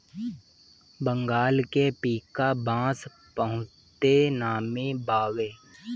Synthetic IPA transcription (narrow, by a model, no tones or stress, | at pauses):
bə̃ŋɡaːlkepiːkabãːs | pəɦʊ̃ | tt̪enaːmebaːweː